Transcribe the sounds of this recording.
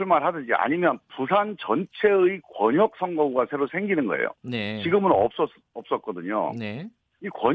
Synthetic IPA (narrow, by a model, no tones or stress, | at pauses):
uɭmaɭɦadɯd͡ʑia̰ɲimjʌnpusʰant͡ɕʌnt͡ɕʰe̞ɯikwʌɲʌk̚s͈ʰʌŋɡʌuɡasʰe̞ɾosʰe̞ŋɡinɯnɡʌḛjo̰net͡ɕiɡɯmɯnʌp̚s͈ʌ | ʌp̚s͈ʌt̚k͈ʌdɯɲo̰ | ikwʌ